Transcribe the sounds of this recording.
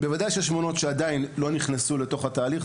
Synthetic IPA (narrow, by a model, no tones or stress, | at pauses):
bevadajʃeʃmo̞no̞tʃeadainlo̞niχnesuleto̞χhataːliχ